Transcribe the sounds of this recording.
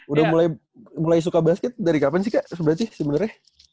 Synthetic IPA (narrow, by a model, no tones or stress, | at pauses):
udahmulaj | mulajs̬ukabaɦaskɪt̪̚daɾikapans̬ikaʔsəbənat̪sɪhsihmənərah